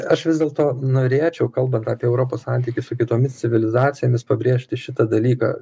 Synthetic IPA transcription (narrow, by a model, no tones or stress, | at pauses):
ɐʃʋʲɪzdʲeɛlˠt̪oːnoːɾʲeːt͡ʃʲɛʊkɐlˠbɐnt̪ɑːpʲiɛɛʊɾoːpoːssɑnʲt̪ʲiːkʲɪsʊkʲɪt̪oːmʲɪst̪sʲɪʋʲɪlʲɪzɑːt̪sʲɪjoːmʲɪspɐbʲɾʲeːʃʲt̪ʲɪʃʲɪt̪ɐd̪ɐlʲiːkɑ̰ː